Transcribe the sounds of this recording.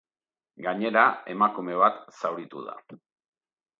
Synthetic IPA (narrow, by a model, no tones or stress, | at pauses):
ɡaɲe̞ɾae̞makume̞β̞at̪sawɾit̪ṵða̰